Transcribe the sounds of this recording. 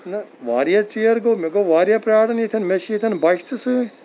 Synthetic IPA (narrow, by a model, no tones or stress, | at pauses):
nɐʋaːɾijat͡sijɐɾɡomeɡoʋaːɾijapɾʲaːɽɐnit̪ʰɐnmeʃit̪ʰɐnbɐʃt̪ɨsɨ